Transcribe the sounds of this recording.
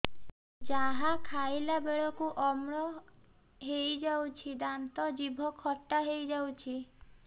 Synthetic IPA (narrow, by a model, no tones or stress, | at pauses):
d͡ʒaɦakʰajlabeɭɔkuʔɔmɽɔ | ɦejd͡ʒawt͡ʃʰid̪ant̪ɔd͡ʒibʱɔkʰɔʈːaɦejd͡ʒawt͡ʃʰi